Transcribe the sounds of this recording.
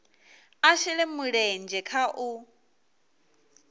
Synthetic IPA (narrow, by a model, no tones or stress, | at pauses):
aʃɛlɛmʊɺɛnd͡ʒɛkʰaʔʊ